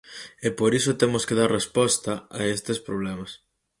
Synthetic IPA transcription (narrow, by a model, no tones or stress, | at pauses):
epoɾisot̪emoskeðaɾrespɔst̪ɐaest̪espɾoβlɛmɐs